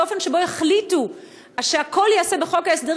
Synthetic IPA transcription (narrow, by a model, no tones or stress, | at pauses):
o̞fe̞nʃe̞bo̞eχlitu | aʃeako̞ljaase̞beχo̞kaesde